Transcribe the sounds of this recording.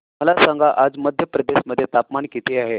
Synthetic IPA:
məlasãŋɡaʔad͡zməd̪ʱjəpɾəd̪eɕməd̪ʱːjet̪apmaɳkit̪ʰeaɦe

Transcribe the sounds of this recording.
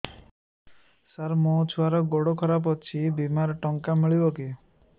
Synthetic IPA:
saɾmot͡ʃʰuaɾɔɡoɽokʰɔɾap̬ɔt͡ʃʰibimaɾɔʈɔŋkamiɭibɔki

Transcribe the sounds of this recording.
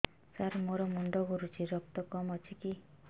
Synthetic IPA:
saɾmoɾɔmuɳɖɔɡʱuɾut͡ʃʰiɾɔk̚t̪ɔkɔmɔt͡ʃʰiki

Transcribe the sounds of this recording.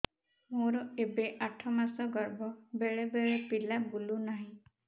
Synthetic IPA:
moɾɔebeʔaʈʰɔmasɔɡɔɾbɔbeɭebeɭepilabulunaɦĩ

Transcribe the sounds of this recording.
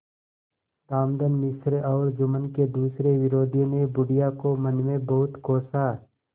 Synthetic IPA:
t̪aːmd̪ənmɪsɾɔːɾd͡ʒʊmənked̪uːsɾeʋɪɾoːd̪ʱinebʊɽijakomənmẽbɐɦʊt̪koːsa

